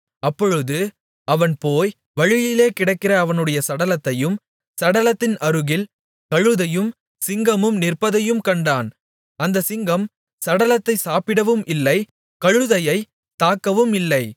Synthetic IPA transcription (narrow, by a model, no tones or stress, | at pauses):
ɐpːɔɻɯðɯ | ɐʋɐnpoːj | ʋɐɻɪjɪleːkɪɽɐɪkːɪrɐːʋɐnɯɽɐjɐsɐɽɐlɐt̪ːɐjɯm | sɐɽɐlɐt̪ːɪnɐɾɯɣɪl | kɐɻɯðɐjɯm | sɪŋɡɐmɯmnɪrpɐðɐjɯmkɐɳɖaːn | ɐnd̪ɐsɪŋɡɐm | sɐɽɐlɐt̪ːɐɪsaːpɪɽɐʋɯmʔɪlːɐɪ | kɐɻɯðɐjɐɪ | t̪aːkːɐʋɯmɪlːɐɪ